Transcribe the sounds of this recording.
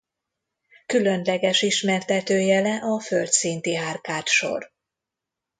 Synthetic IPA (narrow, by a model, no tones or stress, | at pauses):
kylø̞nlɛɡɛʃiʃmɛrt̪ɛt̪øːjɛlɛʔɒfølt̪sint̪iɦaːrkaːt̪ʃo̞̰r